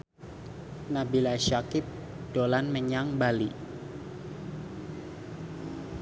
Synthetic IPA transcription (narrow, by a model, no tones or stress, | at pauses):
nabilaʃakɪp̚ | d̥olanməɲaŋbali